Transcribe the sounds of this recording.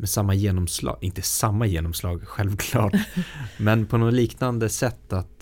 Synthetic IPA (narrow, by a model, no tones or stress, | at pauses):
mɛsamːajeːnɔmslɑ̰ːɡʔɪnt̪əsamːajeːnɔmslɑːɡɧɛlvkʰlɑːʈmɛnpʰɔnɔliːknand̪əsɛt̪ːat̪